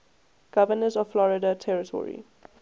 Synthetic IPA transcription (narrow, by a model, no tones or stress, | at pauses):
ɡ̥avənəzɔvflɔɹɪdatʰɛɹɪtʰɔ̰ɹḭ